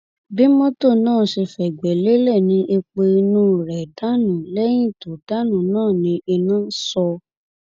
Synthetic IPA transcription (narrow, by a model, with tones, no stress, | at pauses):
bi˦mɔ̃˦to˦˨nãː˦˨ʃe˧fɛ˨ɡ͡bɛ˨le˨˦lɛ˦˨nĩ˧˦ʔe˧k͡pe˧i˧nũ˦˨ɾɛ˨da˦nũ˨lɛ˦j̃ĩ˦˨to˨da˦nũ˦˨nãː˦˨nĩ˧˦e˧nũ˦sɔ˧